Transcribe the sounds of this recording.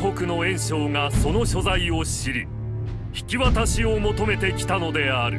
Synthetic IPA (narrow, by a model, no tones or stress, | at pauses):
ɦo̞kɯ̟no̞ẽ̞ɰ̃ɕo̞ːŋaso̞no̞ɕo̞zaio̞ɕiɾɯ | çi̥kʲiβat̪aɕio̞mo̞t̪o̞me̞t̪e̞kʲi̥t̪ano̞d̪e̞aɾɯ̟